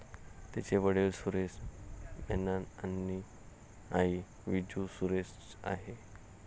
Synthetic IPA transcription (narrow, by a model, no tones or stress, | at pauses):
t̪at͡ɕeʋəɽelsuɾesmɛnananːi | ai | ʋid͡ʑusuɾes | a̰ɦe